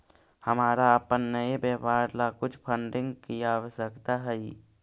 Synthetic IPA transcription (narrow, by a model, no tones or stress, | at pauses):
həmaːɾaəpənːəebepaːɾlakʊt͡ʃʰpʰəɳɖɪ̃ŋɡkijaʋəsəkt̪aɦɛi